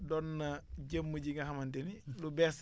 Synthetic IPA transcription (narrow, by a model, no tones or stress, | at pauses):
dɔnːɐɟəmːəɟiŋɐɦɐmɐntɛnilubɛs